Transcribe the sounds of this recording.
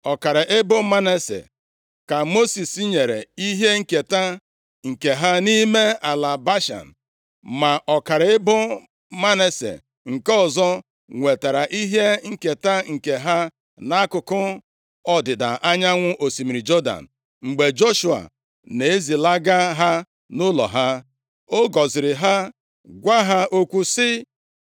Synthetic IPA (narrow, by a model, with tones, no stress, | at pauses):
ɔ˨ka˨ɾɪ˨ʔe˦bʊ˦ma˦ne˦sḛ˨ | ka˨mo˦si˨si˦ɲe˨ɾe˨i˦ɦe˦ŋ̩˦ke˨ta˦ | ŋ̩˨ke˨ɦa˦ni˦me˦a˨la˨ba˦ʃa̰˨n̩˨ | ma˨ʔɔ˨ka˨ɾe˦bʊ˦ | ma˦ne˦sḛ˨ | ŋ̩˨kɔ˦ɔ˨zɔ˦ | ŋʷe˨ta˨ɾa˨ʔi˦ɦje˦ŋ̩˦ke˨ta˦ŋ̩˨ke˨ɦa˦ | na˦kʊ˨kʊ˦ | ɔ˦dɪ˨da̰˨ʔa˦ɲa˦ŋʷʊ˦ʔo˨si˨mi˨ɾi˨d͡ʒɔ˦da̰˨n̩˨ | ŋ͡m̩˨ɡ͡be˨d͡ʒo˦ʃu˨a̰˨ | ne˨e˦zi˨la˦ɡa˦ɦa˦ | nʊ˦lɔ̰˨ɦa˦ | o˦ɡɔ˨zɪ˨ɾɪ˨ɦa˦ | ɡʷa˦ɦa˦ʔo˦kʷu˦sɪ˦